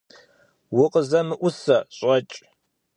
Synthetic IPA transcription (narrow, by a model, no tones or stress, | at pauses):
wʊqəzɐmɨʔʷʊsɐɕʼɐt͡ʃʼ